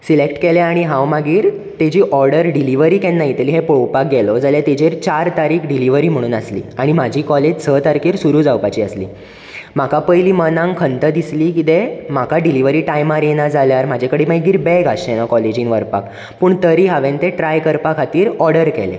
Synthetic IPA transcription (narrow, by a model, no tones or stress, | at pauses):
silekʈkeleaɽ̃iɦãwmaɡiːɾ | t̪ed͡ʑiːʔɔɾɽəɾɖiliʋəɾiːkɛ̃nːaɦit̪əliːɦepowpak̚ɡɛlɔd͡zaljat̪ed͡ʑeɾt͡ɕaɾt̪aɾiːkʰɖiliʋəɾiːm̤əɽ̃uːnaslḭːaɽ̃im̤ad͡ʑʱiːkɔled͡ʑsʰət̪aɾkiːɾsuɾuːd͡zawpat͡ɕiːəslḭː | m̤akʰapəjliːmənãŋɡkʰənt̪əd̪isliːkit̪em̤akʰaɖiliʋəɾiːʈajmaɾenad͡zʱaljaɾm̤ad͡ʑʱekəɽiːmajɡiːɾbɛɡaɕenakɔled͡ʑĩːnʋəɾpa̰k | puːɳt̪əɾiːɦaʋẽnt̪ẽʈɾajkəɾpakʰat̪iːɾɔɾɽəɾkɛ̰lḛ